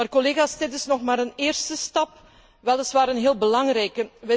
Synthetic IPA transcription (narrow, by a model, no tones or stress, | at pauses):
aːrkɔleːɣaːsdɪtɪsnɔxmaːɾəneːrstəstɑp | ʋɛlˠəsʋaːɾənɦeːlˠbəlɑŋrɛjkəʋɛ